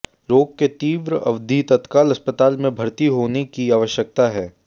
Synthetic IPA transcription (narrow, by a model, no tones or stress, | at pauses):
loːɡ̚ket̪iːʋɾəɐʋd̪ʱit̪ɐt̪kaːlɐspət̪aːlmẽbʱɐɾt̪iɦoːnekiaːʋəʃjək̚t̪aɦɛː